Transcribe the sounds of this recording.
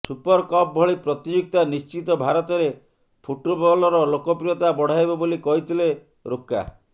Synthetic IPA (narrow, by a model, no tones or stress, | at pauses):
supɔɾkɔp̚bʱɔɭipɾɔt̪id͡ʒuk̚t̪anist͡ʃit̪ɔbʱaɾɔt̪ɔɾe | pʰuʈobɔlɔɾɔlokɔpɾiɔt̪abɔɽ̤ajbɔbolikɔɦit̪ʰile | ɾoka̰